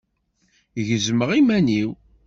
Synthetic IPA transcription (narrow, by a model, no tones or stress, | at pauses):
ʝəzməʁimæniw